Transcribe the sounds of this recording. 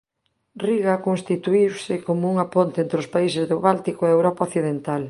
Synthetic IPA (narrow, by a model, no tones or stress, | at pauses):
riɣakoŋst̪it̪uiwsɪkomʊuŋapont̪eent̪ɾɪʊspaisɪzðʊβalt̪ikoɛewɾɔpaoθiðent̪al